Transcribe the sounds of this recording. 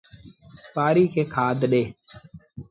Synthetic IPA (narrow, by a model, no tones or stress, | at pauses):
paːɾiːkʰeːkʰaːd̪ɗeː